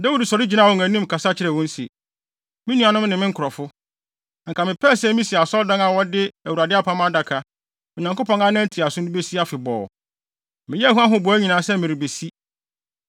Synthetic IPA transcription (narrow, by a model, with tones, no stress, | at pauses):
da˦wi˦dsɔ˨ɾɪ˦d͡ʑi˦nã˦˨wɔ̃˨ŋæ̃˨nũ˦m˨kʰa˨sa˦t͡ɕʰɪ˦ɾɛ˨wɔ̃˦n̩˦si˨e˨ | mɪ̃˦nũ˦a˨nʊ̃˦m˦nɪ̃˨mɪ̃˦ŋ̩kʊ˨ɾɔ˨fʊ˦˨ | ŋ̩˨kʰa˨mɪ̃˨pʰɛ˦˨sɛ˦mĩ˦si˨a˨sɔ˦ldã˦ŋa˨wɔ˦dɪ˦æ˨wu˨ɾa˨dɪ˦a˦pʰã˦ma˦da˨kʰa˨ | mɪ̃˨ɲ˨ã˨ŋko˦pʰɔ̃˨ŋa˦nã˦n̩˦tʰi˨a˨sʊ̃˦nʊ̃˦be˦si˦a˦fɪ˨bɔ̰ː˨ | mɪ̃˨jɛ˦æ˦hɦu˦ã˦ɦʊ̃˦bʊ˨æ˦ɲĩ˨nãː˨˦sɛ˦mɪ̃˨ɾɪ˨be˨si˦